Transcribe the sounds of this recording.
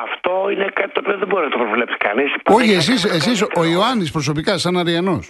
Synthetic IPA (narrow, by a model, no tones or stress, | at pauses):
ɐft̪o̞inekat̪it̪oːpio̞ðebo̞ɾinɐt̪opɾovle̞psi̥kɐ̰nispoçies̬isesis̬ooioɐnispɾo̞so̞pikɐsɐnɐɾiɐno̞s